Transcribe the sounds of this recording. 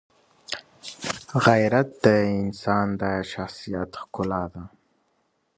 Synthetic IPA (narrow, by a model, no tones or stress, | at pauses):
ɣajɾat̪̚d̪əɪnsɑnd̪ɑjaʃaxsijat̪xkʊlɑd̪a